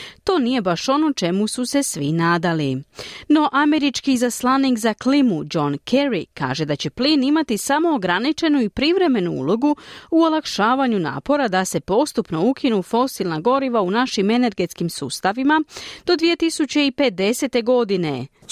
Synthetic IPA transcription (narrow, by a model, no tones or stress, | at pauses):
t̪o̞ːnije̞baʃo̞no̞t͡ʃe̞mususe̞sʋinaːd̪alino̞ʔame̞ɾit͡ʃkizaslˠaniːkzaklimud͡ʒo̞nkʰeɾika̰ːʒe̞d̪at͡ɕe̞pliːnimat̪isamo̞ːɡɾanit͡ʃe̞nuipɾiʋɾe̞me̞nuṵlˠo̞ɡuuolˠakʃaːʋaɲuna̰ːpo̞ɾad̪ase̞po̞st̪upno̞ukʰinufo̞silnaɡo̞ɾiʋaunaʃime̞ne̞ɾɡe̞t̪skimsuːst̪aʋimad̪̥o̞d̪ʋije̞t̪isut͡ɕe̞ipe̞d̪e̞se̞t̪e̞ɡo̞d̪ine̞̰